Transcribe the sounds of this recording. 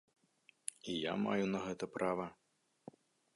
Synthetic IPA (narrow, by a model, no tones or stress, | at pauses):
ija̰ma̰junɐɣɛt̪ɐpɾavɐ